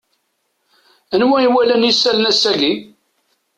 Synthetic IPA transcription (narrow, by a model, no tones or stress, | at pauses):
ənwæiwælænjisːælənæsːæɡi